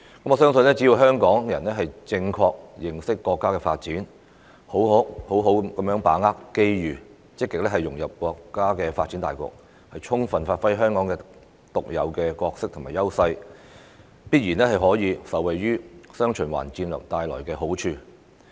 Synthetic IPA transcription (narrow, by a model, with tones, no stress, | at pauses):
kɐ˨˥mɔː˨sœː˥ŋsɵ˧nlɛː˥t͡si˨˥jiː˨˧wɦœː˥ŋkɔː˨˥ŋjɐ˨˩nɛː˥ɦɐ˨jt͡sɪ˧ŋkʰɔː˧k̚jɪ˨˩ŋsɪ˥kːɔː˧kːaː˥kɛː˧faː˧t̚t͡siː˨˥n | ho˨˥wɦo˨˥ho˨˥wɦo˨˥wkɐ˨˦mjœː˨˥ŋpaː˨˥ŋaː˥kke˥jjyː˨˩ | t͡sɪ˥kːɪ˨k̚lɛː˥hɐ˨jʊ˨˩ŋjɐ˨p̚kʷɔː˧kːaː˥kɛː˧faː˧t̚t͡si˨˥nt̪aː˨jkɔ̰ː˧k̚ | hɐ˨jt͡ʃʰʊ˥ŋfɐ˨nfaː˧t̚fɐ˥jɦœː˥ŋkɔː˨˥ŋkɛː˧ | t̪ʊ˨k̚jɐ̰˨˧wkɛː˧kɔː˧k̚sɪ˥k̚t̪ʰʊ˨˩maː˨˩jɐ˥wsɐ˧j | piː˥t̚jiː˨˩nɛː˥hɐ˨jɦɔː˨˥jiː˨˧sɐ˨wɐ˨jɥyː˥sœː˥ŋt͡ʃʰɵ˨˩nwa̰ː˨˩nt͡siː˧nlœ̰ː˨k̚t̪aː˧jlɔ̰ː˨˩jkɛː˧ɦo˨˥wt͡ʃʰyː˧